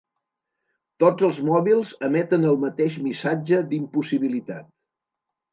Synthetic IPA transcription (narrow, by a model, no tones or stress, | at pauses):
t̪od͡zəlˠzmɔβilˠzəmɛt̪ənəlˠmət̪eʃmisad͡ʒəd̪impusiβilit̪at̪̚